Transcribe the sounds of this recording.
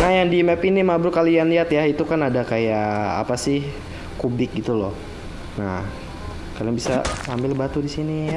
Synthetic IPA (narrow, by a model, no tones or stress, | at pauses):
najaŋdiɛmɛpinimabɾukalianliat̪jait̪ukanadakajaa̰pasɪh | kubɪk̚ɡit̪ulɔh | na̰h | kaliaŋbisa̰ambɪlbat̪udisini